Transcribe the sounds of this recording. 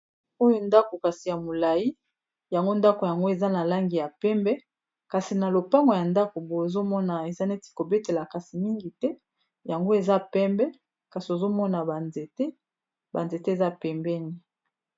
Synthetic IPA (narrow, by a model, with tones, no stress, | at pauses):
o˦jo˦nda˦ko˨ka˨si˨ja˨mo˨la˨ji˦ | ja˨ŋɡo˦nda˦ko˨ja˨ŋɡo˦e˨za˦na˨la˦ŋɡi˨ja˨pɛ˦mbɛ˦ | ka˨si˨na˨lo˨pa˦ŋɡo˨ja˨nda˦ko˨bo˨e˨zo˦mɔ˦na˨e˨za˦ne˦ti̥˨ko˨be˦te˨la˨ka˨si˨mi˦ŋɡi˨tɛ˦ | ja˨ŋɡo˦e˨za˦pɛ˦mbɛ˦ | ka˨si˨o˨zo˦mɔ˦na˨ba˨nze˨te˦ | ba˨nze˨te˦e˨za˦pɛ˨mbɛ˦ni˨